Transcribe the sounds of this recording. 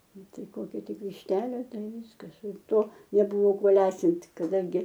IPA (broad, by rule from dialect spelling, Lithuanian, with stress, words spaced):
ˈnʊ ˈtɐɪ ˈkoːkʲɛ ˈtʲɪk ʋʲɪʃʲˈtʲæːlʲeː ˈtɐɪ ˈʋʲiːskɐs ˈɪr ˈtoː nʲɛˈbʊʋoː ˈkuɔ ˈlʲæːsʲɪnʲtʲ kɐˈdɐŋʲɡʲɪ